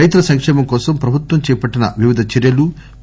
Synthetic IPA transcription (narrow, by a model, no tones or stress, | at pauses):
ɐjt̪ɾɐsɐŋkʂɛːmɐmkɔːsɐmpɾɐbʱut̪wʋɐmt͡ʃɛːɐpɐʈːinɐʋiʋid̪ʱɐt͡ʃɛɾjɐlu